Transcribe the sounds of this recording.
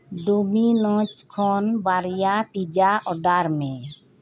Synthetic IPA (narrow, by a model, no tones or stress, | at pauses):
ɖuminɔ̃t͡ʃkʰɔnbaɾjapid͡ʒaʔɔɖaɾmɛ̃